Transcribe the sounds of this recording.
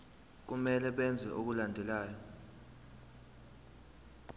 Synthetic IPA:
k̬umɛlɛɓɛnd͡zʱɛʔok̬ulandʱɛlaːjɔ

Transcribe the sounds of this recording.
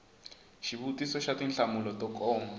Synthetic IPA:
ʃiβutisɔʃatinɬamulɔtɔkɔːma

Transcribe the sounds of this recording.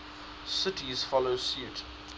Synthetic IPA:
sɪtiz̥fɔloʊsuːˑt

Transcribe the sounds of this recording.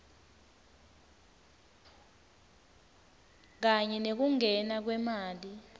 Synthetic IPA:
k̬aɲɛnek̬uŋɛnak̬wɛmaːli

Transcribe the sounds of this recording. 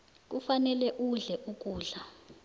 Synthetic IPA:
k̬ufanɛlɛʔuɮɛʔuk̬ʼuːɮa

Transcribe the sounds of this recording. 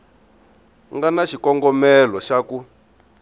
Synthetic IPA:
ŋɡanaʃikɔŋɡɔmɛlɔʃaku

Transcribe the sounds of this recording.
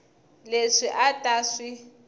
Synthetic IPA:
leʂiʔatʼaːʂi

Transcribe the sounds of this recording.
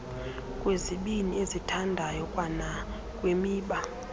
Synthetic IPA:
kʼweziɓiniezitʰandʱajɔkʼwana | kʼwemiːɓa

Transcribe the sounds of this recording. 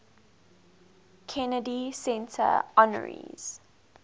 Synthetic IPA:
kʰɛnədisɛ̃ntʰə̰ɔnə̰ɹḭz̥

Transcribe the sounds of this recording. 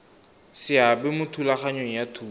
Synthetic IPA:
sɪabɛmʊtʰulaχaɲoŋ̩jatʰuː

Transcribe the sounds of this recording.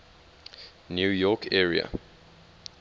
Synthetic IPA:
njuːjɔkʰɛːɹiə̰

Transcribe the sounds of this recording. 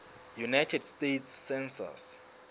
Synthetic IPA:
junajtʰɛdstetʰsːɛnsa̰s

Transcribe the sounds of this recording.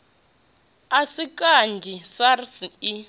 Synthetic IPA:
asikʼand͡ʒʱisarsii

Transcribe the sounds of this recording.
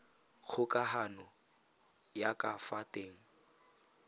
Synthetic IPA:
k͡xʰʊkʼaɦanɔ | jakʼafatʼeːŋ̩

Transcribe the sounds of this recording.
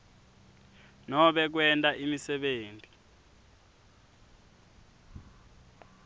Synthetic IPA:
nɔɓɛk̬wɛntʼaʔimisɛɓeːntʼi

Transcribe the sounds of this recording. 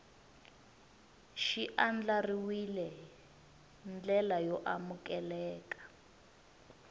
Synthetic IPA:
ʃiʔand͡ɮariwilɛ | nd͡ɮɛlajɔʔamukɛlɛːkḁ

